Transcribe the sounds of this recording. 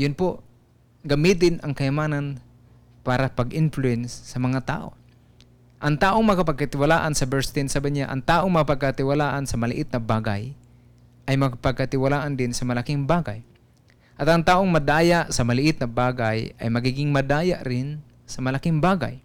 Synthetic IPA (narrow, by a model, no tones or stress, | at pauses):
jʊnpoʔ | ɡɐmiːt̪̬ɪnʔɐŋkɐjamaːnan | paːɾapɐɡʔɪnflʊɛnsːɐmɐŋat̪a̰ːʔo̰ | ʔɐŋt̪aːʔoŋmɐŋkapɐɡ̚kat̪ɪwalaːʔansɐbɛɹst̪ensabaɲaʔɐ̰ŋt̪aːʔoŋmɐŋapɐɡ̚kat̪ɪwalaːʔansɐmɐlɪ̰ʔɪt̪̚nɐbaːɡa̰j | ʔɐjmɐkapɐɡ̚kat̪ɪwalaːʔand̪ɪnsɐmɐlakɪŋbaːɡa̰j | ʔɐt̪ɐŋt̪aːʔoŋmɐd̪aːjaʔsɐmɐlɪʔɪt̪̚nɐbaːɡajɐ̰jmɐɡiːɡɪŋmɐd̪aːjaʔɾɪn | sɐmɐlakɪŋbaːɡa̰j